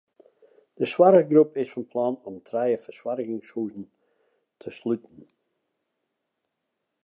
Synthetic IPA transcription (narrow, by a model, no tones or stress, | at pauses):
d̥əswaɾəɡɾupɪsfənpʰlˠanʊmtʰɾajəfəswaɾɪɣɪŋshuːzn̩ | tʰəslytn̩